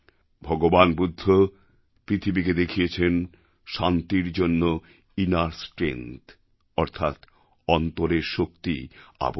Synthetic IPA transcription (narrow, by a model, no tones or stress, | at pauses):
bʱɔɡobanbud̪ʱːo | pɾit̪ʰibiked̪ekʰijet͡ɕʰen | ʃant̪iɾd͡ʑonːo | inaɾsʈɾḛnt̪ | ɔɾt̪ʰat̪ | ɔnt̪oɾeɾʃokt̪ia̰b